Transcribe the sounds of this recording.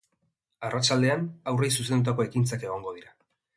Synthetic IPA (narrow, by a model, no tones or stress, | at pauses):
arat͡ʃald̪e̞anawrejsus̬e̞nd̪ut̪̬ako̞ekint͡sake̞ɣ̞o̞ŋɡo̞ð̞iɾa